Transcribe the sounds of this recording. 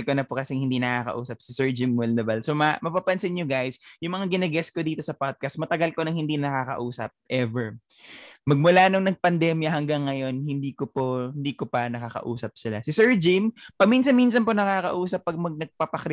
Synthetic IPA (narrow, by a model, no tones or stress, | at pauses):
lkonɐpokɐsɛŋhɪnd̪inɐkaːkɐ̰ʔuːsɐp̚sɪsɛɹd͡ʒɪmwɛld̪ɐbɐlsomɐmɐpapɐnsɪnɲoɡajsjʊŋmɐŋaɡɪnɐɡɛsko̞d̪iːt̪osɐpad̪̚kɐst̪̚mɐt̪ɐɡɐlkonɐŋhɪnd̪inɐkaːkɐ̰ʔuːsɐ̰p̚ʔɛvɛɹ | mɐɡ̚mʊlanoŋnɐɡ̚pɐnd̪ɛmjɐhɐŋɡaŋːɐjo̞nhɪnd̪iːkopohɪnd̪iːkopɐnɐkakɐ̰ʔṵːsɐp̚sɪlasɪsɛɹd͡ʒɪmpɐminsɐnminsɐnponɐkaːkɐ̰ʔuːsɐpːɐɡ̚mɐɡ̚nɐɡ̚papɐkɾ